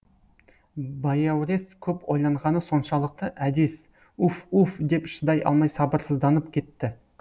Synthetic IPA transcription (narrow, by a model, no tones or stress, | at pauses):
bɑjɑwɾe̞skʲʰɵpo̞jlˠɑɴʁɑnəso̞nʃɑlˠəq̚t̪əʔæd̪es | ufufd̪e̞pʃɪd̪ɑjʔɑ̰lˠmɑjsɑbəɾsəzd̪ɑnəp̚kʲʰe̞t̪ːɪ